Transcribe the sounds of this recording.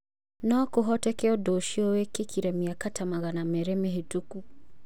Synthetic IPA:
nɔːkoɦɔtɛkeɔdoʃiowekekʰiɾɛmiakatamaɣanamɛɾɛmeɦetuku

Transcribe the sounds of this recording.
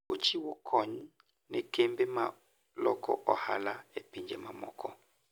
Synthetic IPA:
ot͡ʃiwokʰɔɲ | nekembema | lɔkʰɔ̰ʔɔha̰laepiɲd͡ʒɛmamɔ̰kʰɔ

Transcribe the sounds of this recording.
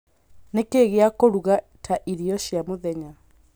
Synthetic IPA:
nekeɣeakoɾuɣa | tʰaʔiɾiɔɕjamoðɛɲa

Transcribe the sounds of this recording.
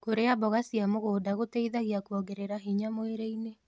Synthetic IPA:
koɾeabɔɣasiamoɣoːdaɣoteiðaɣiakwɔɡeɾeɾaɦiɲamoeɾeine

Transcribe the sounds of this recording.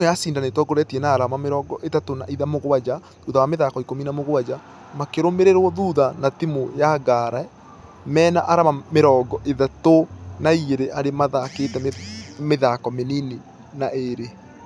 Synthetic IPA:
ɛjasiːndanetwɔɡoɾɛtiɛnaːɾamameɾɔːɡɔʔetatonaiðamoɣwad͡ʑa | ðuðawameðakɔikominamoɣwad͡ʑa | makeɾomeɾeɾwɔðuðanatimojaɡaɾa | mɛːnaʔaɾamameɾɔːɡɔʔeðatonaieɾeʔaɾemaðaketɛmeðakɔmenini | naeɾe

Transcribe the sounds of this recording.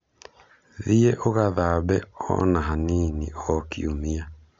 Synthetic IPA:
ðieʔoɣaðabɛɔ̰naɦaniniɔkiumia

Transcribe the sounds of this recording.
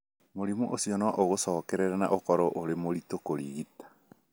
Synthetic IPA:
moɾimuʔosiɔnɔʔoɣosɔːkɛɾɛɾana̰ʔokɔɾɔʔoɾemoɾitokoɾiɣitḁ

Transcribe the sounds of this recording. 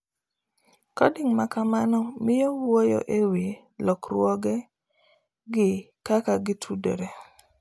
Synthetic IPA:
kɔdiŋmakamanɔmɪjɔwojɔ̰ʔewi | lɔkɾwɔɡɛ | ɡɪ | kakaɡɪtʰudḛɾe

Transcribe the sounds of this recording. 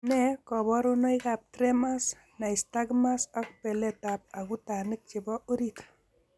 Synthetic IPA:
nɛkɔbɔɾonojkap̚tɾemas | najstaɡmasɔk̚pɛlɛtap̚akutanɪk̚t͡ʃɪbɔoɾit̪

